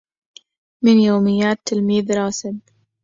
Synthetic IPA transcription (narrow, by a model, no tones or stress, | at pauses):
mɪnjoːmɪjːaːt̪ːɪlmiːðɾˤɑːsɪb